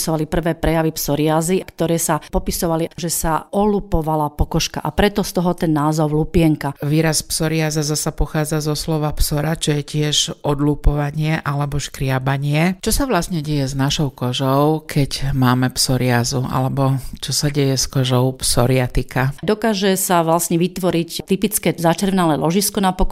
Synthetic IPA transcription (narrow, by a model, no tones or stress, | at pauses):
sɔʋalipr̩ʋɛːpɾɛjaʋipsɔɾɪaziakt̪ɔɾɛːsapɔpisɔʋaliʒɛsaɔlupɔʋalapɔkɔʃka̰ʔapɾɛt̪ɔst̪ɔɦɔt̪ɛnːaːzɔʊlupɪɛŋkaʋiːɾaspsɔɾɪazazasapɔxaːd͡zazɔslɔʋapsɔɾat͡ʃɔjɛcɪɛʒʔɔd̪luːpɔʋaɲɪɛʔalɛbɔʃkɾɪabaɲɪɛt͡ʃɔsaʋlasɲɛɟɛjɛznaʃɔʊkɔʒɔʊkʰɛcmaːmɛpsɔɾɪazua̰lɛbɔt͡ʃɔsaɟɛjɛskɔʒɔʊpsɔɾɪat̪ikad̪ɔkaːʒɛsaʋlasɲɛʋit̪ʋɔɾict̪ipit͡skɛzat͡ʃɛɾʋnalɛlʔɔʒiskɔnapɔk